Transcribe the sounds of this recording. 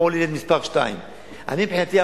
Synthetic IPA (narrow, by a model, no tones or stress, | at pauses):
olilet̪mispaʁʃta̰j̰m | ʔa̰nimbħinat̪ia